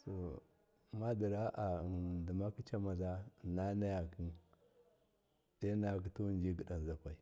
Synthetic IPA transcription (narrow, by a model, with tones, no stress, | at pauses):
so˨ | ma˦di˨ɾa˦ʔa˨ndi˨ma˦ki˦t͡ʃa˦ma˨za˦˨na˦na˦ja˨ki˦n | de˦na˦ja˨k̬i˦tu˦˨nd͡ʒi˦ɡə˨ɗa˨n˨za˨kʷa˨i˨